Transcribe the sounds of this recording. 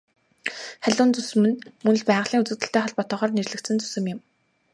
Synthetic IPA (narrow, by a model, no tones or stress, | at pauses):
χæɮʲʊːnt͡susɘ̆mɘ̆nmɵnɵ̆ɮpæːʁə̆ɮiːŋut͡sɘ̆kt̪ɘ̆ɬt̪eːχɔɮpɔt̪ɔ̆ːʁɔːrnerɮɘ̆kt̪sɘ̆nt͡su̥sɘ̆mjɪ̆m